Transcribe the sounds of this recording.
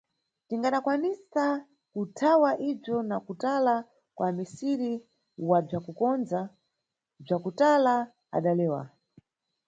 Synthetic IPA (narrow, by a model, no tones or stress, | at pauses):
tiŋɡaɗakwanisa | kutʰawaʔib͡ʐjɔnakutala | kwamisiɾi | wab͡ʐakukɔnza | b͡ʐakutala | a̰ɗalɛːwa̰